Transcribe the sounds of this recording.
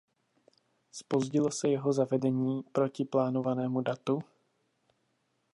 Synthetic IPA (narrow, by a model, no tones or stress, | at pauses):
spo̞zɟɪlo̞sɛjɛɦo̞zavɛdɛɲiːpɾo̞cɪplaːno̞vanɛːmudat̪u